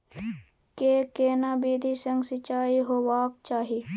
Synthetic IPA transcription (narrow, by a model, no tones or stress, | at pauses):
keːkeːnaːbiːd̪ʱisɐ̃ŋɡsɪt͡ʃaːiɦoːwaːk̚t͡ʃaːɦi